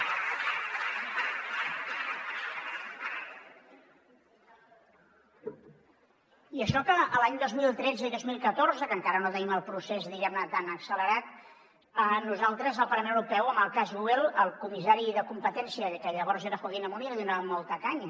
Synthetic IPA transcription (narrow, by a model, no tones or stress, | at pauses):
iəʃɔkəːlaɲd̪ozmilˠt̪ɾɛd͡zəiðozmilˠkət̪orzəkəŋkaɾənot̪əniməlˠpɾusezðiɣɛmnət̪anəksələɾat̪̚ | ənuzalˠt̪ɾəzəlˠpəɾləmẽñəwɾupɛwəməlˠkazuɛlˠəlˠkumisaɾiðəkumpət̪ɛnsiəkəʎəβ̞ɔɾzeɾəxuəɣinəmuniaðunamɔlˠt̪əkaɲə